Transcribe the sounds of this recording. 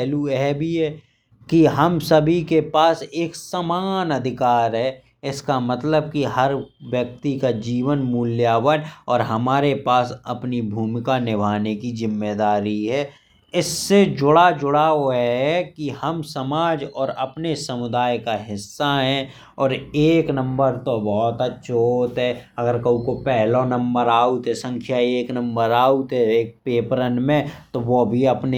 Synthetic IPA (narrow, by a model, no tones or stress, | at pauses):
luɦɛbʱiɦɛ | kiɦɐmsɐbʱikepaːseːksaːmaːnɐd̪ʱɪkaːɾɦɛ | ɪskamɐt̪ləb̚kiɦɐɾʋjək̚t̪ikad͡ʒiːʋənmuːljaːʋənɔːɾɦɐmaːɾepaːsɐ̰pnibʱuːmɪkanɪbʱaːnekizɪmːeːd̪aːɾiɦɛː | ɪsːed͡ʒʊɽad͡ʒʊɽaoɦɛkihəmsəmaːd͡ʒɔːɾɐpnesəmʊd̪aːjkaɦɪsːaɦɛ̃ | ɔːɾeːknə̃mbəɾt̪obɔːt̪ətːʃʰot̪ɦɛːɐɡəɾkɐũkopɛɦlõnə̃mbəɾaːut̪ɦɛsə̃ŋkʰjaeːknə̃mbəɾaːut̪ɦɛeːk̚peːpɾənmẽt̪oʋobʱiɐpne